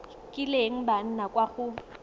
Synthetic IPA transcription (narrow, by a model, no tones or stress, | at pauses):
kʼɪleŋ̩ban̩nakʼwaɣʊ